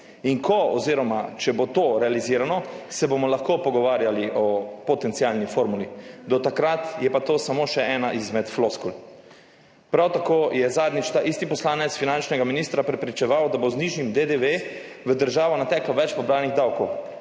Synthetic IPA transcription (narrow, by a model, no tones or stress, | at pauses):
iŋkɔɔziːɾɔmat͡ʃɛbot̪oːɾɛaliziːɾanɔsɛbomɔlaxkopɔɡɔʋaːɾjaliʔɔpɔt̪ɛnt̪sialnifoɾmulid̪ɔt̪akɾat̪jɛpat̪oːsamoːʃɛʔɛːnaʔizmɛt̪floskul | pɾawt̪akoːjɛzaːd̪nit͡ʃt̪aʔist̪ipɔslaːnɛt̪sfinant͡ʃnɛɡaminist̪ɾapɾɛpɾit͡ʃɛʋawd̪abozniʒimd̪ed̪eʋeʋəd̪əɾʒaːʋɔnat̪ɛklaʋɛt͡ʃpɔbɾaːniɣd̪awkɔw